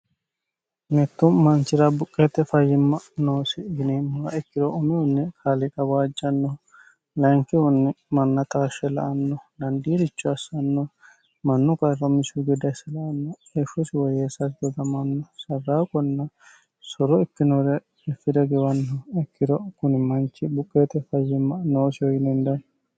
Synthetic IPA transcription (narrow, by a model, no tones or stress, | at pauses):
mɛt̪ːʊmɐnt͡ʃɪɾɐbʊkʼːɛt̪ːɛfɐjːɪmːɐnoːsɪɪnimːʊɾɐɛkːɪdɔʔɔmɛʊnːɛkʰalɪkʼɐbaːd͡ʒːɐnːɔ | lɐŋkɪwʊnːɛmɐnːɐt̪aːʃːɛlɐ̰ʔɐnːɔd̪ɐnd̪iːɾɪt͡ʃːɔɐsːɐnːɔ | mɐnːʊkʼɐrːɐmɪsʊɡɛd̪ɐsɛlɐʔɐnːɔ | efːɔsɪwɔjeːsɐɾɡɛd̪ɐmɐnːɔsɐrːaːkʼɔnːɐ | sɔɾɔɛkːɪnɔɾɛ | ɛfːɪd̪ɛɡɛwɐnːɔɛkːɪd̪ɔkʊnɪmɐnt͡ʃːɪbʊkʼːeːt̪ɛfɐjːɛmɐnoːsɪɔjɪnɛnd̪ɐn